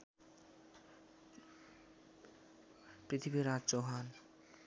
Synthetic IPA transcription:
pɾit̪ʰibiɾadt͡ɕoɦan

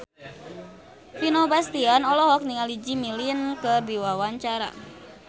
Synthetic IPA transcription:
finobast̪ianɔlɔɦɔk̚niŋalid͡ʒimilinkədiwawaɲt͡ʃaɾa̰

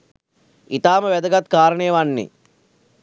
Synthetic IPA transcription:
it̪aːməʋɛd̪ɐɡat̪kaːɾəɳejʋanːḛ

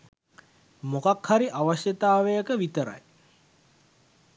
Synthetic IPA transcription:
mokakhaɾiʔaʋaʃjət̪aːʋejəkəʋit̪əɾa̰j

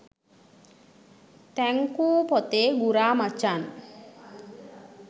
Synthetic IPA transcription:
t̪ɛŋkupɔt̪eɡuɾamat͡ʃan

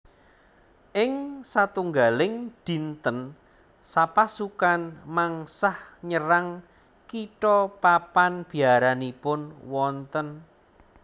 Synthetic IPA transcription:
ʔɪŋsat̪uŋɡalɪŋd̪̥i̤nt̪ən | sapasukanmaŋsahɲəɾaŋ | kiʈɔpapanb̥i̤aɾanipʊnwɔnt̪ən

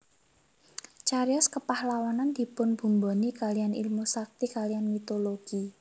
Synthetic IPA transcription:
t͡ʃaɾiɔskəpahlawanand̪̥i̤pʊnb̥ṳmbo̤nikalijanḭlmusak̚t̪ikalijanmit̪oloɡ̥i

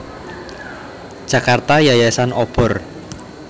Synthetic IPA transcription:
d̥ʒ̥ä̤kart̪ajajasanɔb̥ɔ̤r

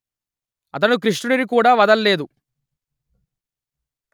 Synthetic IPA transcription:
ɐ̰t̪̬ɐnukɾiʂʈunɐɾik̬uːɽaːʋɐd̪ɐlːe̞ːd̪u

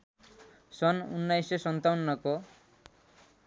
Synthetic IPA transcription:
sɔnṵnːajsesɔnt̪awunːɔkɔ

